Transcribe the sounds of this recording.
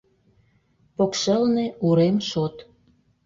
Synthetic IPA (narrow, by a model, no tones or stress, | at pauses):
pokʃə̆lnĕuɾemʃot̪